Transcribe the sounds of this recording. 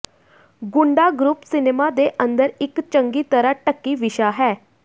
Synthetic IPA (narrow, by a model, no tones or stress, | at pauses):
ɡʊɳɖaːɡɾupsɪneːmaːd̪eːʔə̃nd̪əɾɪkt͡ʃəŋɡiːt̪əɾaːʈəkːiːʋɪʃaːɦɛː